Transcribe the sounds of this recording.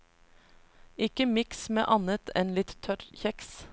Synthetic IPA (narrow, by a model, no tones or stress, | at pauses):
ɪkəmɪksmḛːʔɑnət̪ʰɛnlɪt̪t̪ʰːœɾçɛks